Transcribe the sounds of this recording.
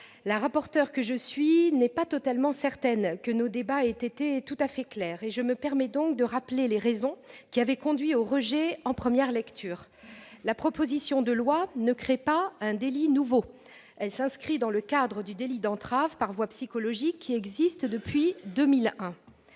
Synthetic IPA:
laʁapɔʁt̪œʁkəʒəsɥinɛpat̪ɔt̪almɑ̃sɛʁt̪ɛnkənod̪ebaet̪et̪et̪ut̪afɛklɛːʁeʒəməpɛʁmɛd̪ɔ̃k̚d̪əʁapleleʁezɔ̃kʲiavɛkɔ̃d̪ɥioʁəʒɛɑ̃pχəmjɛʁlɛkt̪ʰyːʁ | lapχɔpozisjɔ̃d̪əlwanəkχepaɛ̃d̪elinuvo | ɛlsɛ̃skχid̪ɑ̃ləkad̪ʁəd̪yd̪elid̪ɑ̃t̪χavpaʁvwapsikɔlɔʒikʰʲːiɛɡzist̪d̪əpɥid̪əmilɛ̃

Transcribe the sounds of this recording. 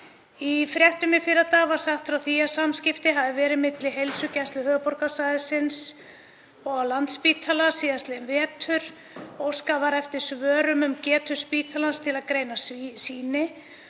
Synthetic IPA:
ifɾjɛht̪ʏmɪfɪɾat̪aːɣvaɾ̥saxt̪fɾawθiːjasamscɪft̪ɪɦaðɪvɛːɾɪmɪt̪lɪɦejlsʏcɛst̪lʏhœːpɔɾkasaːjðɪsɪns | ɔɣawlant̪spiːt̪ʰalasiːðast̪lɪɛnvɛːt̪ʰʏɾ | ɔwskavaɾɛft̪ɪɾ̥svœːɾʏmʏmcɛːt̪ʰʏɾ̥spiːt̪ʰalanst̪ʰɪlaðkɾeːjnassiːnɪ

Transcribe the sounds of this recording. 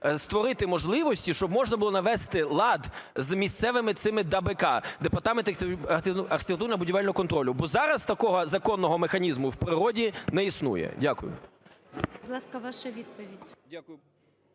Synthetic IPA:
st̪ʋɔɾɪt̪ɪmɔʒlˠɪʋɔsʲtʲiʃt͡ʃɔbmɔʒnɐbʊlˠɔnɐʋɛst̪ɪlˠɑd̪zmʲist̪sɛʋɪmɪt̪sɪmɪd̪ɐbɛkɑd̪epɐrt̪ɑment̪ɐrʲɐrxʲɪ̥t̪ekt̪urnbʊdʲiʋɛlʲnɔɦɔkɔnt̪ɾɔlʲʊbɔzɑɾɐst̪ɐkɔɦɔzɐkɔnːɔɦɔmexɐnʲizmʊwpɾɪɾɔdʲinɛisnṵjɛ̰dʲakʊjʊ̰ | bʊd̪lˠɑskɐʋɑʃɐʋʲid̪̚pɔʋʲidʲdʲaʊjʊ

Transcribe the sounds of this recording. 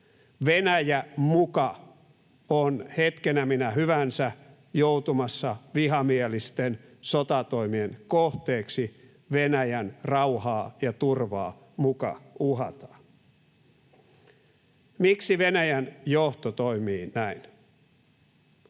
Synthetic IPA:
ʋenæjæmukɑ | onhet̪kenæminæɦyʋænsæ | jout̪umɑsːɑʋiɦɑmielist̪ensot̪ɑt̪oimienkoht̪eːksi | ʋenæjænrɑuhɑːjɑt̪urʋɑ̰ː | mukɑ̰uɦɑt̪ɑ̥ | miksiʋenæjænjoht̪ot̪oimiːnæin

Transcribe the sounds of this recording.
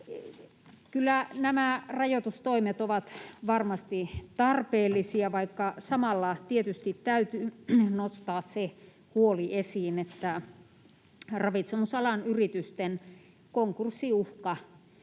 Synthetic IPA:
kylːænæmærɑjot̪ust̪oimet̪oʋɑt̪ʋɑrmɑst̪it̪ɑrpeːlːisiɑʋɑikːɑsɑmɑlːɑt̪iet̪yst̪it̪t̪æyt̪ynost̪ɑːsse | huoliesiːnet̪ːæ | rɑʋit̪semusɑlɑnyrit̪yst̪en | koŋkursːiuhkɑ

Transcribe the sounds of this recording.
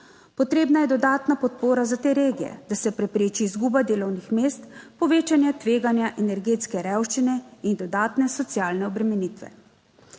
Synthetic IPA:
pɔt̪ɾeːbnajɛd̪ɔd̪aːt̪napɔt̪̚poːɾazat̪eːɾeːɡijɛ̰d̪asɛpɾɛpɾeːt͡ʃiːzɡuːbad̪eːlɔwnixmeːst̪pɔʋeːt͡ʃanjat̪ʋeːɡanjaʔɛnɛɾɡeːt̪skɛɾɛwʃt͡ʃinɛind̪ɔd̪aːt̪nɛsɔt̪sjaːlnɛɔbɾɛmɛniːt̪ʋɛ̰

